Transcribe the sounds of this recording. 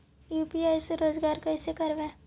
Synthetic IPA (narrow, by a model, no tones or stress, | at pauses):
juːpiaːjseɾoːzɡaːɾkɐɪsekɐɾʋẽː